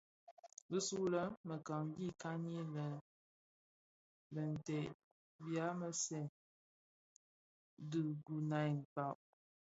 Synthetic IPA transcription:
bə˦su˦lə˦mə˨ka˨ŋ˦ɡi˦˨ka˦ni˦lə˨ | bə˨n˨tɛ˨ʔ | bja˦mə˦sɛ˨ | dɨ˨ɡu˨na˨jŋ̩˨ta˨ʔ

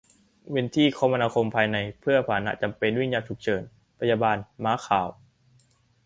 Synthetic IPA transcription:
we˧nt̪ʰiː˥˩kʰɔː˦ma˧naː˧kʰo˧mpʰaː˧jna˧jpʰɯ˥˩ɐpʰaː˨˩na̰˦˥ʔt͡ɕa˧mpe˧nwi˥˩ŋɲjaː˧t̪ʰu˨˩k̚t͡ɕʰɤː˩˦n | pʰa˧jaː˧baː˧nmaː˨˦kʰaː˨˩˦w

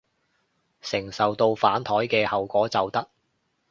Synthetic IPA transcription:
sɪ˨˩ŋsɐ˨wt̪o˧wfaː˨˥nt̪ʰɔː˨˥jkɛː˧hɐ˨wkʷɔː˨˥t͡sɐ˨wt̪ɐ˥k̚

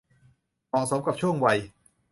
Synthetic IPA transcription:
mɔː˨˩so˨˩˦mka˨˩p̚t͡ɕʰu˥˩əŋwa˧j

